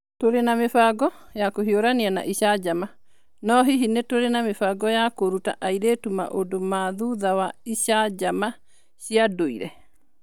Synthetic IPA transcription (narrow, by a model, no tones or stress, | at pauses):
toɾenamefaɡɔ | jakoɦioɾaniana̰ʔiɕad͡ʒama | nɔɦiɦinetoɾenamefaɡɔjakoɾuta̰ʔaiɾetuma̰ʔodomaðuðawaiɕad͡ʒama | ɕiadoḭɾɛ